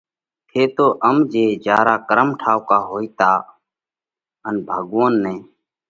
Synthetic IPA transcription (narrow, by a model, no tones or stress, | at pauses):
t̪ʰeːt̪oːʔəmd͡ʒeːd͡ʒaːɾaːkəɾəmʈʰaːʋkaːɦoːiːt̪aː | ənbʱəɠʋoːnːẽː